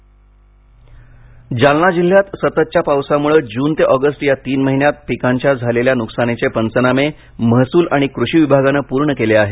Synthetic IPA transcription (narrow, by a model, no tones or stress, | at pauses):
d͡ʑalnad͡ʑil̤ːjat̪sət̪ət̪̚t͡ɕjapawsamuɭəd͡ʑuːnt̪eʔɔɡəsʈjat̪iːnməɦinjat̪̚pikaɲt͡ɕjad͡zʱaleljanuksanet͡ɕepənt͡səname | məɦsuːlʔaɽ̃ikɾuɕiːʋibʱaɡanəpuːɾɳəkeleaɦe